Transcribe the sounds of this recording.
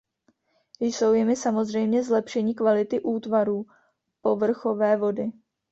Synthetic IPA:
jso̞wjɪmɪsamo̞zr̝ɛjmɲɛzlɛpʃɛɲiːkvalɪt̪ɪʔuːt̪vaɾuː | po̞vr̩xo̞vɛːvo̞dɪ

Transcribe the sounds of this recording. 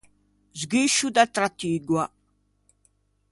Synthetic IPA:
zɡiʃud̪at̪ɾat̪ːiːɡwa

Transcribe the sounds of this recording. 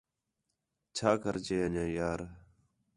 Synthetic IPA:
t͡ʃʰaːkəɾt͡ʃeːəɲãːjaːɾ

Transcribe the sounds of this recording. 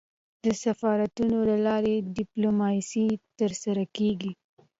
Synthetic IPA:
d̪̥əsafɑɾat̪unolalɑɾeɖɪplomɑsit̪əɾsaɾakeɡi

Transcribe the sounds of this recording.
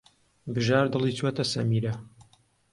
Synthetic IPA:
bɨʒaːɾd̪ɨlˠiːt̪wɐt̪ɐsɐ̰miːɾɐ

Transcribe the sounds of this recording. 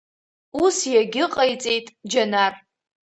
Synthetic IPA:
usjaɡʲɪqʼajt͡sʼejtʼd͡ʒanar

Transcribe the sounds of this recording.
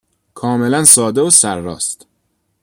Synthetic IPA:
kʰɒːme̞lænsɒːd̪eosæɾːɒ̰ːst̪

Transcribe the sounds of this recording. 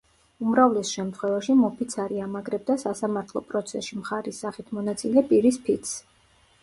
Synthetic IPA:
umɾavlɛsʃɛmt̪ʰχwɛvaʃimɔpʰit̪sʰaɾiamaɡɾɛb̚d̪asasamaɾt̪ʰlˠɔ̰pʼɾɔt̪sʰɛsʃimχaɾisːaχit̪ʰmɔnat̪sʼilɛpʼiɾispʰit̪s

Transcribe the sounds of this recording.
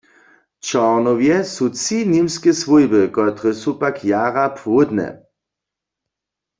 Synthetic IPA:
t͡ʃɔʁnɔwjɛsut͡sinimskɛsvujbɪkɔt̪ʁəsupakʰjaʁapʰwʊd̪nɛ̰

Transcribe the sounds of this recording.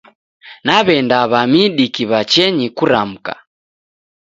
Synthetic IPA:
naβɛndaβamiɗikiβat͡ʃɛɲikuɾam̩ka̰

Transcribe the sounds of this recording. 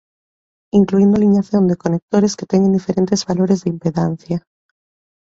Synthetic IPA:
iŋkluind̪oaliɲaθjond̪ekonek̚t̪oɾesket̪eŋẽnd̪ifeɾent̪ezβaloɾezðeimpeðan̟θja

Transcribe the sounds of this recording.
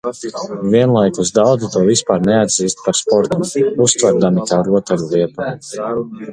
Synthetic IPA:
viɛnlˠajkusd̪awd̪zit̪uɔvispaːɾnɛad̪ziːst̪̚paɾspɔɾt̪umust̪vɛɾd̪amikaːɾuɔt̪ɛɾulˠiɛt̪a

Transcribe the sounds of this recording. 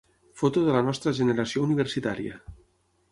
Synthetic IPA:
fot̪oðelanɔst̪ɾaʒeneɾasjouniβ̞eɾsit̪aɾja̰

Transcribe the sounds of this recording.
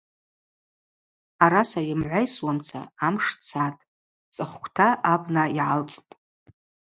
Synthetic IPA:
aɾasajɪmʕʷajswamt͡sʰa̰amʂt͡sʰatʼ | t͡sʼɨχʷkʷʰtʰaabnaiʕalt͡sʼtʼ

